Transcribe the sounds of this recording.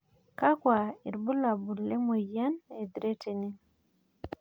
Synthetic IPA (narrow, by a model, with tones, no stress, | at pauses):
ka˦kwa˨i˨ɾbu˦la˨bu˨le˦mo˨ja˦ne˨d̪ɾe˦tʰe˨ni˦n